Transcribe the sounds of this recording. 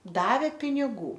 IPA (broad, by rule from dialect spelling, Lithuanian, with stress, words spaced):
ˈdɑːʋʲeː pʲɪnʲɪˈɡuː